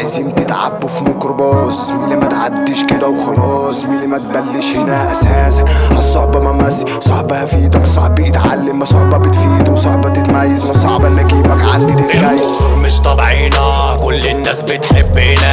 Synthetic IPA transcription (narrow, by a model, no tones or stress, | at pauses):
eziːmt̪et̪ʕa̰bːofimokɾbɑːsmɪlːimæt̪ʕad̪ːeʃked̪æwxɑlɑːsˤmelːimæt̪̚bælːeʃhenæʔæsæːsænʔɑsˤːoħbɑmæmæz | sˤɑħbæhæfiːd̪æksˤɑħbiʔet̪ʕa̰lːemɑsˤoʕbɑbet̪fiːd̪uwsˤɑħbɑt̪et̪mæjːæzmɑsˤɑʕbɑnːæɡiːbækʕa̰nd̪it̪et̪ɣæjæmeʃt̪ˤɑbʕiːnæ | kolːenːæːsbet̪ħebːenæ